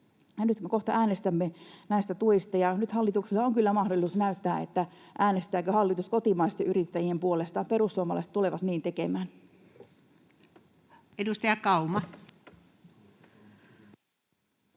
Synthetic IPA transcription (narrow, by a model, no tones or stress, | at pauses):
jɑnyt̪koht̪ɑʔæːnest̪æmːenæist̪æt̪uist̪ɑjɑnyt̪hɑlːit̪uksilːɑoŋkylːæmɑhdolisusnæyt̪ːæːet̪ːæʔæːnest̪æːkøhɑlːit̪uskot̪imɑist̪eʔyrit̪ːæjiempuolest̪ɑpeɾusːuomɑlɑ̰ˑist̪t̪uleʋɑt̪niːnt̪ekemæːn | edust̪ɑjɑkɑumɑ